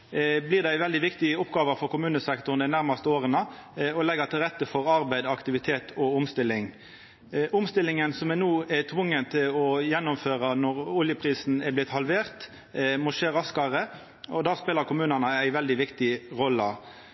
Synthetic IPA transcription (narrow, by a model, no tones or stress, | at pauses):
blɪːʁd̪ææɪʋɛld̪ɪʋɪkt̪ɪəʊpɡɑːʋəɾfɔɾkʰʊmʉːnəsɛkt̪ʊnd̪æɪnæʁmɑst̪əoːʁənəɔlɛɡət̪ɪlʁɛt̪ːəfɔɾɑɾbæɪd̪ɑkt̪ɪʋɪt̪ʰeːt̪ʰɔʊmst̪ɪlːɪŋ | ʔʊmst̪ɪlːɪŋənsɔmɛnuːæt̪ʰʋʊŋːənt̪ʰɪlɔjɛnːɔmføːʁɑnɔʁʊljəpʰʁiːsn̩æblɪt̪hɑlʋeːʁt̪ | mɔʂeːɾɑskɑɾə | ɔd̪ɑːspeːləɾkʰʊmʉːnɑnəæɪʋɛld̪ɪʋɪkt̪ɪʁɔlːə